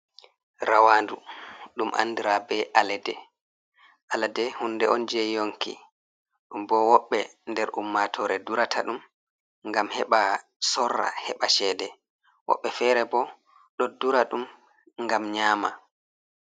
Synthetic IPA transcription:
ɾawaːnduɗumʔa̰ndiɾabɛʔalɛdɛ | ʔalɛdɛhundɛɔnd͡ʒɛjoŋkḭ | ɗumbɔwɔɓːɛndɛɾʔumːatʰɔːɾɛduɾatʰa̰ɗum | ŋɡamhɛɓa | sɔrːa̰hɛɓaʃɛːdɛ | wɔ̰ɓːɛfɛːɾɛbɔ | ɗɔduɾaɗum | ŋɡamɲaːma

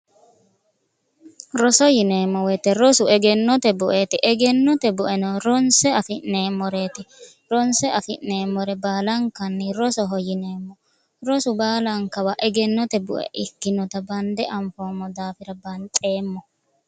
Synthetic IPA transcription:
ɾɔsɔjɪneːmːɔwɛt̪ːɛɾɔsʊɛɡɛnːɔt̪ɛbʊʔeːt̪ɪʔɛɡɛnːɔt̪ɛbʊʔɛnɔɾɔnsɛɐfɪnːeːmɔɾeːt̪ɪ | ɾɔnsɛʔɐfɪne̞ːmɔɾɛbaːlɐŋkɐnːɪɾɔsɔɦɔjɪneːmːɔ | ɾɔsʊbaːlɐŋkɐwɐʔɛɡɛnːɔt̪ɛbʊ̰ʔɛ̰ʔɪkːɪnɔt̪ɐbɐnd̪ɛʔɐɱfoːmːɔd̪aːfɪɾɐbɐnt̪ʼe̞ːmːɔ

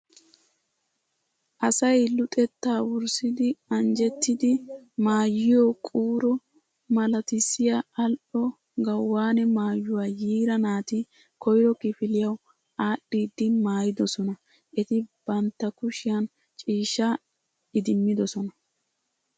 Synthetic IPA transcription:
ʔɐsɐjlʊt̪ʼɛt̪ːaːwʊɾsɪd̪ɪɐnd͡ʒɛt̪ːɪd̪ɪmaːjːɪjɔkʼuːɾɔ | mɐlɐt̪ɪsːɪjɐɐlʔɔ | ɡɐwːaːnɛmaːjːʊwaːjiːɾɐnaːt̪ɪ | kʰɔjɾɔkɪfɪlɪjɐw | aːɗːiːd̪ːɪmaːjɪd̪ɔsɔnɐ | ʔɛt̪ɪb̥ɐnt̪ːɐkʊʃɪjɐn | t͡ʃʼiːʃːa | ɪd̪ɪmːɪd̪ɔsɔnɐ

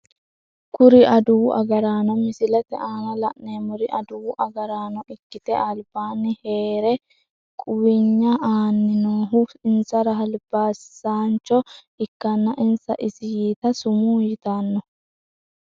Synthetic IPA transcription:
kʊɾɪʔɐd̪ʊwʔɐ̰ɡɐɾaːnɔmɪsɪlɛt̪ɛ̰ʔaːnɐlɐ̰ʔneːmʊɾɪʔɐd̪ʊwʊʔɐɡɐɾaːnɔʔɪkːɪt̪ɛʔalbaːnːɪheːɾɛ | kʼʊwɪɲːɐaːnːɪnoːɦʊɪnsɐɾɐɦɐlb̥aːsaːnt͡ʃɔ | ɪkːɐnːɐʔɪnsɐ̰ʔɪsɪjiːt̪ɐsʊmuːjɪt̪anːɔ

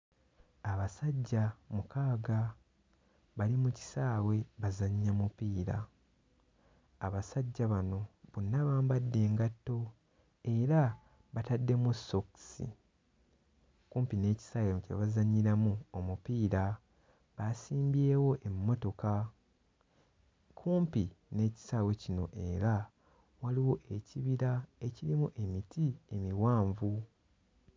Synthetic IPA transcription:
aβasaɟːamukaːɡa | βalimuci̥saːwe̞βazaɲːamupiːɾa | βasaɟːaβano̞βunːaβaːmbadːe̞ːŋɡatːo̞ | e̞ɾa | βatadːe̞musːo̞ku̥sḭ | kuːmpine̞ːci̥sawemcḛβazaɲːiɾamuomupiːɾa | βasiːmbje̞ːwo̞ʔe̞mːo̞to̞ka | kʰuːmpine̞ːci̥saːwe̞cino̞̰ʔe̞ɾa | waliwo̞ʔe̞ciβiɾae̞ciɾimuʔe̞mitʰie̞miwaːɱvu

